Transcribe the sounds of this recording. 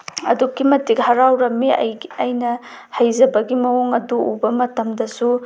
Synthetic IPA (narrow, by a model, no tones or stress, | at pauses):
ɐ̰dukːimɐtikhɐɾawɾɐmːiɐ̰jɐjnɐ | hɐjzɐbɐɡimɐoŋɐduubɐmɐtɐmdɐsu